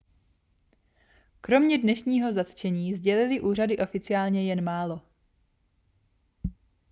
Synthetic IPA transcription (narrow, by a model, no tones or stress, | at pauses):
kɾo̞mɲɛdnɛʃɲiːɦo̞zat̪t͡ʃɛɲiːzɟɛlɪlɪʔuːr̝adɪʔo̞fɪt͡sɪaːlɲɛjɛnmaːlo̞